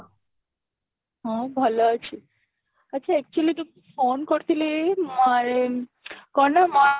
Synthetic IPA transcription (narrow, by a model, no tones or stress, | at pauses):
ɦãbʱɐlat͡ʃʰi | ətːt͡ʃʰaɛk̚t͡ʃuəlit̪u | fonkɔɾt̪ʰilemaɾe | kɔnama